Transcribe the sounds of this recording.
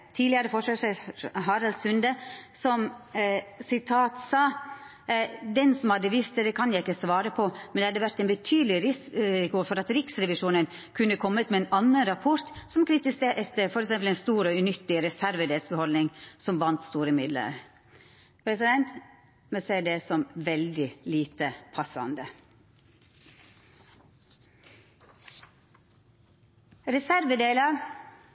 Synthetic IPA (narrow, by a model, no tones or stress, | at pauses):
t̪ʰiːd̪lɪəɾəfɔʂəʂɦɑɾɑlsʉnd̪əsɔm | sɪt̪ʰɑːt̪sɑː | d̪ɛnsɔmhɑd̪əʋɪst̪əd̪ɛkʰɑnjæɪɪkːəsʋɑːɾəpʰɔmɛnd̪ɛhɑd̪ːəʋæɾt̪ɛnbət̪ʰyːd̪lɪɾɪskuɾfɔɾɑt̪ɾɪksɾɛʋɪʂuːnən | kʰʉnːəkʰɔmːət̪mɛːnɑnːənɾɑpʰɔɾt̪sɔmkʰɾɪt̪ɪseːt̪əfɔɾɛksɛmpl̩ɛnst̪uːɾɔʉnʏt̪ːɪɾɛsæɾʋəd̪eːlsbəhɔlnɪŋsɔmʋɑnt̪st̪uːɾəmɪd̪lə̰ɾ | pʰɾɛsɪd̪ɛnt̪ | mɛseːd̪ɛsɔmʋɛld̪ɪliːt̪əpʰɑsɑ̰nd̪ə | ɾɛsæɾʋəd̪eːlə